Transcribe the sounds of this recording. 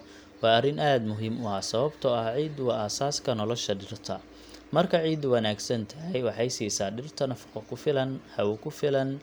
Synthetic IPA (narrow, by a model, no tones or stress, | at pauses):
wɑːɐrɪnʔaːd̪mʊɦiːmʊaːsɐβɐbt̪ʰɔɐhʕiːd̪ʊwɐʔaːsaːskʰɐnɔlɔʃɐɖɪrt̪ʰɐ | mɐrkʰɐʕiːd̪ʊwɐnaːɡsɐnt̪ʰɐɦɛjwɑħɑjsiːsaːɖɪrt̪ʰɐnɐfɐ̥qɔkʰʊfɪlɐnhɐwʊkʰʊfɪlɐn